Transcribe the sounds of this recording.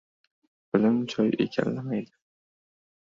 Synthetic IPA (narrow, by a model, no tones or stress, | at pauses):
b̥ɪlɪmt͡ʃʰɒjḛkʲʰa̰nːamajd̪ɪ